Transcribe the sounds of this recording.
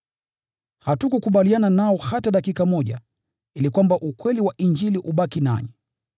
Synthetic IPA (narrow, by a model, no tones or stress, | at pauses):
hatukukuɓaliananaɔhataɗakikamɔʄa̰ | ilikwambaʔukwɛliwaʔiɲd͡ʒiliʔuɓakina̰ɲi